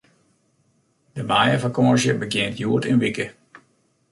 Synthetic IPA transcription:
dəmaːjəvakɔzjəbəɡjɪəntjuətɪnʋikə

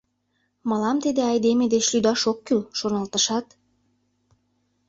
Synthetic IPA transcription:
mɑlˠɑmt̪ed̪eɑjd̪emed̪eʃlʲyjd̪ɑʃokːylʃornɑlˠt̪ɑʃɑt̪

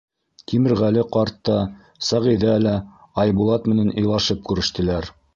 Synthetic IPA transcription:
kimɘ̆ɾʁælɘqɑɾt̪ːɑ | sæʁĭðælæ | ɑjbulˠɑt̪mɘ̆nænʔɤ̆jlˠɑʃɤp̚kʉɾɘ̆ʃt̪ɘ̆læɾ

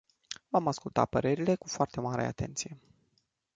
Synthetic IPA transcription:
vamaskult̪a̰pəɾe̞ɾile̞kufoart̪e̞maɾe̞̰a̰t̪e̞̰nt̪sije̞

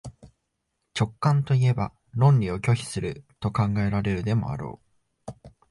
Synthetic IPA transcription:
t͡ɕo̞kːãnt̪o̞ie̞ba | nõ̞nɾʲio̞kʲo̞çi̥sɨɾɯ̟t̪o̞kãŋɡae̞ɾaɾe̞ɾɯ̟d̪e̞mo̞̰a̰ɾo̞̰ː

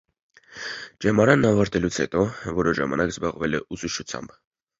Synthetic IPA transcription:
d͡ʒɛmɑɾɑnːɑvɑɾt̪ɛlut͡sʰhɛ̰t̪ɔvɔɾɔʒɑ̰mɑ̰nɑkzbɑʁvɛlɛʔusuʃʰut͡sʰjɑ̰mb

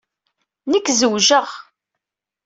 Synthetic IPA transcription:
nəkːzəwʒəʁ

